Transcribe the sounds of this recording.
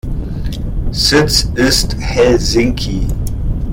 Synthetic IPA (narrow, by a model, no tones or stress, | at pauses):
sɪtsɪsthɛlzɪ̃ŋkʰi